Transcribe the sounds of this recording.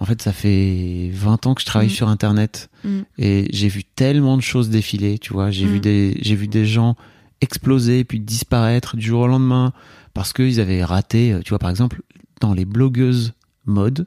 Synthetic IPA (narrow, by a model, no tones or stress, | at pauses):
ɑ̃fɛt̪safɛvɛ̃t̪ɑ̃kə̥ʒə̥t̪χavajsyʁɛ̃t̪ɛʁnɛt̪eʒevyt̪ɛlmɑ̃d̪əʃozd̪efilet̪ʰyvwaʒevyd̪eʒevyd̪eʒɑ̃ | ɛksplozepɥid̪ispaʁɛt̪χd̪yʒuʁolɑ̃d̪mɛ̃ | paʁsə̥kəilzavɛʁat̪eøt̪yvwapaʁɛɡzɑ̃pl | d̪̥ɑ̃leblɔɡøz | mɔd̪